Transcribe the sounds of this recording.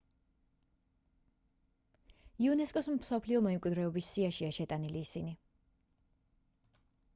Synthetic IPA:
iunɛskʼɔsmsɔpʰliɔmɛɛmkʼwid̪ɾɛɔbisːiaʃiaʃɛt̪ʼaniliːsini

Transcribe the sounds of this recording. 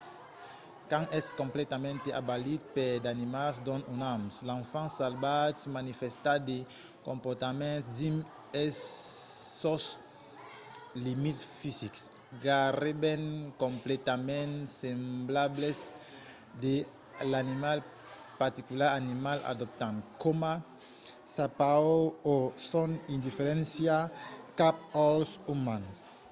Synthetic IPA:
kãŋɛskõmplɛt̪amɛ̃nt̪eabalit̪̚ped̪animasd̪ɔ̃nunamslãɱfãsalbat̪smanifest̪ad̪e | kõmpɔɾt̪amɛ̃nsd̪im | ɛsː | ɔs | limit̪sfisiks | ɡarebẽŋkõmplet̪amɛ̃nsẽmblables | d̪e | lanimal | paɾt̪ikulaɾanimala̰d̪ɔp̚t̪ãnkoma | sapaoosɔ̃nĩnd̪ifeɾɛ̃nsjakap̚ɔlsumãns

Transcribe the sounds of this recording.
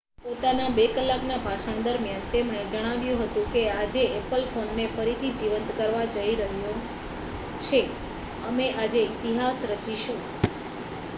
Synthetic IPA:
pot̪anabekəlːaknabʱaʃəɳ̃d̪əɾmjant̪emɳ̃ed͡ʒəɽ̃aʋjũɦət̪ũkead͡ʒeɛpəlfonːefəɾit̪ʰid͡ʒiʋənt̪kəɾʋad͡ʒəiɾəɦju | t͡ʃʰe | əmeʔad͡ʒeit̪iɦasɾət͡ʃiʃũ

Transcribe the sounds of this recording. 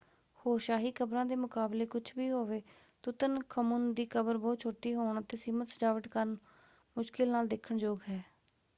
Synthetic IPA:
hoːɾʃaːɦiːkəbɾãːd̪eːmʊkaːbleːkʊt͡ʃʰbiːɦoːʋeː | t̪ʊt̪ənkʰəmʊnd̪iːkəbəɾbɔːt̪̚t͡ʃʰoːʈiːɦoːɳət̪eːsiːmət̪səd͡ʒaːʋəʈkəɾn | mʊʃkɪlnaːld̪ekʰːəɳd͡ʒoːɡɦɛː

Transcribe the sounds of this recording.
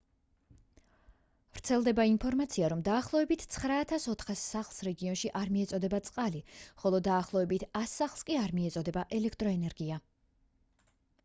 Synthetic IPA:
vɾt̪sʰɛlˠd̪ɛbainpʰɔɾmat̪sʰiaɾɔmd̪aːχlˠɔɛbit̪ʰt̪sʰχɾaːt̪ʰasɔt̪ʰχasːaχlˠsɾɛɡiɔnʃiʔaɾmiɛt̪sʼɔd̪ɛbat̪sʼqʼaliχɔlˠɔd̪aːχlˠɔɛbit̪ʰasːaχlˠskʼiaɾmiɛt̪sʼɔd̪ɛbaʔɛlɛkʰt̪ʼɾɔɛnɛɾɡia

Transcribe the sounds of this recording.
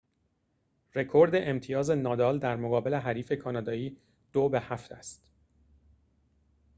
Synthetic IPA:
re̞kʰo̞ɾd̪e̞ʔemt̪ʰijɒːze̞nɒːd̪ɒːld̪æɾmoɣɒːbe̞le̞ɦæɾiːfe̞kʰɒːnɒːd̪ɒːiː | d̪̥obehæft̪ʰæst̪

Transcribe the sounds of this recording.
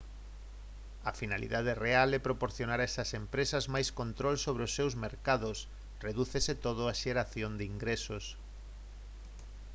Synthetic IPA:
ɐfinalḭðað̞erealɛpɾopoɾθjonaɾaɛsɐsempɾesɐzmajskont̪ɾolsoβ̞ɾeosːewzmeɾkaðʊs | reðuθeset̪oðʊaʃeɾaθjond̪ɪiŋɡɾesos

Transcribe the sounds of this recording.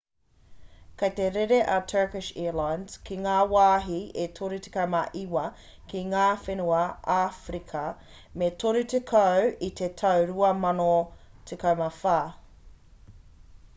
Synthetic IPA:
kɐjt̪eɾeɾeʔɐtʰɜ˞kɪʃḭlajnz̥kʰiŋaːwaːɦietʰoɾite̥kɐwmɐʔiwɐ | kiŋaːfenuɐʔafɾikʰɐ | metʰoɾutekʰɐwit̪ʰetʰɐwɾuɐmɐno | tʰekɐwmɐfaː

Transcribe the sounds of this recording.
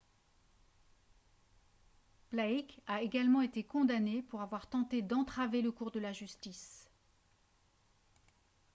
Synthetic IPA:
plaikaeɡalmɑ̃et̪ekɔ̃d̪anepuʁavwaʁt̪ɑ̃t̪ed̪ɑ̃t̪χaveləkuʁd̪əlaʒyst̪is

